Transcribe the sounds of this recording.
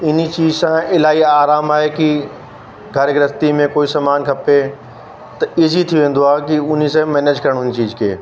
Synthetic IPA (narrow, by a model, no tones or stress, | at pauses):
ɪnit͡ɕiːzsãɪlaːiaːɾaːmaːɦeki | ɡʱɐɾɡɾɐst̪imẽkoːisɐmaːnkʰɐpe | t̪ɐɪzʱit̪ʰijuʋẽːn̆d̪oaːkiʊn̤is̬ãmɛːneːd͡ʑkɐɾəɽ̃ʊnit͡ɕiːzkʰḛː